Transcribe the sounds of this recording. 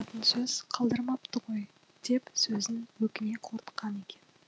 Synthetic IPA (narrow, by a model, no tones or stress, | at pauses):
t̪ənsɵz̥qʰɑlˠd̪əɾmɑpt̪əʁo̞j | d̪̥e̞psɵzɪnwɵkʲɪne̞qʰoɾt̪ə̥qːɑne̞kʲe̞n